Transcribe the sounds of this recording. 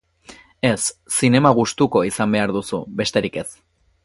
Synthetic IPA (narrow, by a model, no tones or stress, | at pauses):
e̞sːine̞maɣ̞ust̪uko̞isambe̞aɾðusṵbe̞st̪e̞ɾike̞s